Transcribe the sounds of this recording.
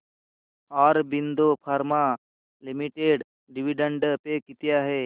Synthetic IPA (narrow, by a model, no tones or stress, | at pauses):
ɔːɾbind̪opʰaɾma | limiʈeːɖ | ɖiʋiɖə̃ɳɖpekit̪jaɦe